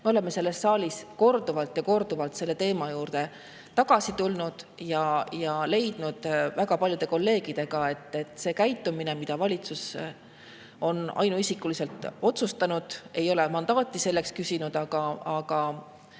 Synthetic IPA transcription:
meole̞mːe̞se̞lːe̞sːɑːlʲisko̞rd̪uvɑlt̪jɑko̞rd̪̥uvɑlt̪se̞lːe̞t̪e̞ːmɑjuːrd̪̥e̞ | t̪ɑɡ̥ɑsit̪ulnud̪̥jɑjɑle̞jd̪̥nud̪̥væɡ̥ɑpɑlʲjud̪̥e̞ko̞lːe̞ːɡ̥id̪̥e̞ɡ̥ɑe̞t̪ːˑe̞t̪ːˑse̞ːkæjt̪ːˑumine̞mid̪̥ɑvɑlʲit̪sus | o̞nɑ̰jnuisikulise̞lt̪ˑo̞t̪sust̪ɑnud̪̥e̞jo̞le̞mɑnd̪̥ɑːt̪ʲːˑise̞lːe̞kskysinud̪̥ɑɡ̥ɑːɡ̥ɑ

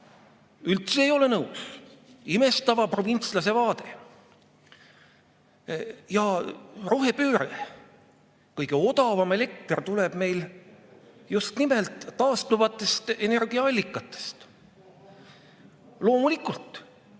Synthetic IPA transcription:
ylt̪seːjo̞le̞nɤwsime̞st̪ɑvɑpro̞vint̪slɑs̬e̞vɑːd̪e̞ | jɑro̞ɦe̞pøːɾe | kɤjɡ̥eo̞d̪ɑvɑme̞le̞k̚t̪rt̪ule̞b̥me̞jl | just̪nimelt̪ːɑːst̪luvɑt̪ːˑe̞st̪e̞ne̞rɡiɑɑlʲːikˑːɑt̪ːˑe̥st̪ | lo̞ːmulikˑult̪ˑ

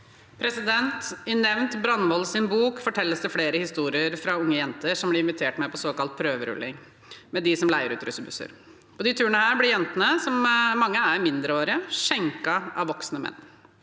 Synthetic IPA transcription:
pʰɾɛsɪd̪ɛnt̪ɪnɛʋnt̪bɾɑnʋɔlsɪnbuːkfɔʈʰɛlːəsd̪ɛfleːɾəhɪst̪uːɾɪəɾfɾɑʊŋːəjɛnt̪əʂɔmblɪɾɪnʋɪt̪ʰeːʈmɛpʰɔsoːkɑlt̪̚pʰɾøːʋəɾʉ̰lːɪ̰ŋ | mɛd̪ɪsɔmlæɪəɾʉːt̪ɾʉsəbʉ̰sə̰ɾ | pʰɔd̪ɪt̪ʰʉːɾəɳəhæːɾblɪjɛnt̪ənəsɔmmɑŋːəæɾmɪnd̪ɾəoːɾɪəʂɛŋkɑʔɑ̰ʋʋɔksnəmɛ̰nː

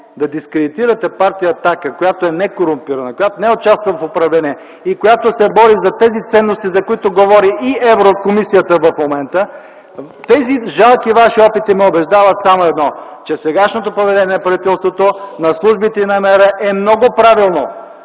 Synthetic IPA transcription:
d̪ɐd̪iskɾɛd̪it̪iɾɐt̪ɛpaɾt̪ijəːt̪akəkojat̪oɛnɛkoɾʊmpiɾɐnɐkojat̪onɛoʊt͡ʃast̪vɐfopɾɐvlɛniɛ | ikojat̪osɛbɔɾizɐt̪ɛzit̪sɛnːost̪izɐkoit̪oɡovɔɾiʔiɛvɾokomisijət̪əvɐfmomɛnt̪ə | t̪ɛziʒalˠkivaʃiɔpit̪imɛobɛʒd̪avət̪samoɛd̪nɔt͡ʃɛsɛɡaʃnot̪opovɛd̪ɛniɛnɐpɾɐvit̪ɛlˠst̪vot̪onɐslˠuʒbit̪ɛinɐmɛɾɛʔɛmnɔɡopɾavilˠno

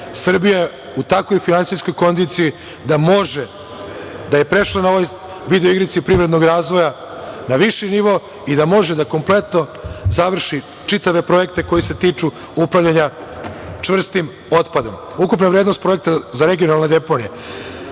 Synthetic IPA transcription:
sr̩bijae | ut̪ako̞jfinansiskojko̞nd̪it̪siji | d̪amo̞ʒe | d̪aje̞pɾe̞ʃlˠanao̞ʋoj | ʋid̪eoiɡɾit̪sipɾivɾed̪no̞ɡɾaːzʋo̞ja | naʋiʃiniʋo̞ | id̪amo̞ʒed̪ako̞mple̞t̪no̞zaʋr̩ʃi | t͡ʂit̪aʋe̞pɾo̞je̞kt̪e̞ko̞jise̞t̪iːt͡ʂu | upɾavʎaɲa | t͡ʂʋr̩st̪im | o̞t̪pad̪o̞m | ukupnaʋɾeːd̪nost̪̚pɾo̞jek̚t̪azaɾeɡijo̞nalˠned̪e̞ponije

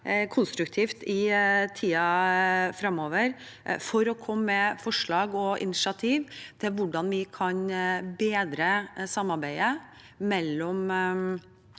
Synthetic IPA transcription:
kʰʊnst̪ɾʉkt̪ʰiːft̪ɪt̪ʰiːɑfɾɑmːoːʋəɾ | fɔɾɔkʰɔmːɛfɔʂɭɑːɡɔʔɪ̰nɪʂɑt̪ʰiːʋt̪ʰɪlʋʊɖɑnʋɪkʰɑnbeːd̪ɾəsɑmːɑɾbæɪə | mɛlːɔm

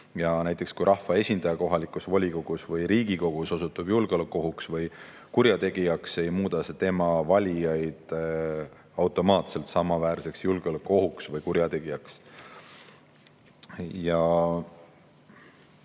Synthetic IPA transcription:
jɑnæjt̪ːˑe̞kskujɾɑhvɑe̞sʲind̪̥ɑjɑko̞ɦɑlikusvolʲiko̞ɡ̥usvɯjɾiːɡ̥iko̞ɡ̥uso̞sut̪ːˑub̥julɡeo̞lekˑːo̞ɦuksvɯj | kuɾjɑt̪e̞ɡ̥ijɑkse̞jmuːd̪̥ɑset̪e̞mɑvɑlʲijɑjd̪̥ | ɑwt̪o̞mɑːt̪se̞lt̪sɑmɑvæːɾse̞ksjulɡ̥eo̞lekːˑo̞ɦuksvɯjkuɾjɑt̪e̞ɡ̥ijɑks | jɑ

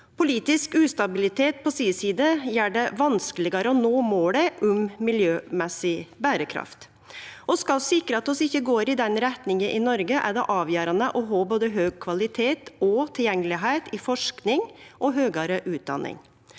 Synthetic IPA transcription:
pʰʊliːt̪ɪskʉːst̪ɑbɪlɪt̪ʰeːt̪̚pʰɔsiːsiːd̪əjæːɖɛʋɑnskəlɪɡɑɾəɔnoːmoːɽəʔʊmmɪljøːmɛsɪbæːɾəkʰɾɑ̰ft̪ | ʔɔskɑlsɪkɾəɑt̪ɔsɪçːəɡoːɾɪd̪ɛnɾɛt̪nɪŋəʔɪnɔɾɡəʔæɖɛʔɑːʋjøːɾɑnəʔɔɦɑːboːd̪əɦøːɡ̚kʰʋɑlɪt̪ʰeːt̪ɔt̪ʰɪljɛŋːəlɪɦæɪt̪ɪfɔʂknɪŋʔɔɦøːɡɑɾəʔʉːt̪̚d̪ɑ̰nɪ̰ŋ

